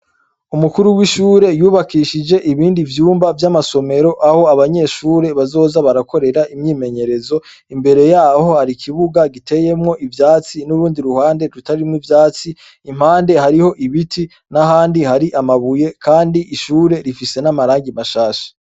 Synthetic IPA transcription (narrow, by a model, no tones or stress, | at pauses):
umukuɾuwiʃuːɾe̞juːβakiːʃid͡ʒe̞ʔiβiːndivjuːmbavjamaso̞me̞ɾo̞ʔaho̞aβaɲe̞ʃuːɾe̞βazo̞ːzaβaɾako̞ɾe̞ɾaʔimɲiːme̞ɲe̞ɾe̞zo̞ | imbe̞ɾe̞jaːho̞haɾikʰiβuɡaɡite̞je̞mŋo̞ʔivjaːt͡sinuɾuːndiɾuhaːnde̞ɾutaɾimŋivjaːt͡siː | m̥haːnde̞haɾiho̞ʔiβitʰi | naɦaːndihaɾiʔamaβuje̞kʰaːndiʔiʃuːɾe̞ɾifise̞namaɾaːŋɡimaʃaːʃḁ